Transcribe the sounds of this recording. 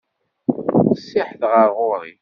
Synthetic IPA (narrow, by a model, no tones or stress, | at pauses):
sːɪħθʁəɾʁʊɾˤḭ